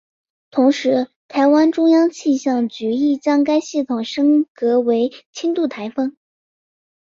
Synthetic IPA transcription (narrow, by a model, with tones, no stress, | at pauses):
t̪ʰʊ˧˥ŋʂɻ̩˧˥ | t̪ʰa˧˥ɪwa˥nʈ͡ʂʊ˥ŋjɑ˥ŋt͡ɕʰi˥˧ɕjɑ˥˩ŋt͡ɕy˧˥i˥˩t͡ɕjɑ˥ŋk̬a˥ɪɕi˥˩t̪ʰʊ˨˩ŋʂɤ˥ŋkɤ˧˥we˧˥ɪt͡ɕʰi˥nt̪u˥˩t̪ʰa˧˥ɪfɤ˥ŋ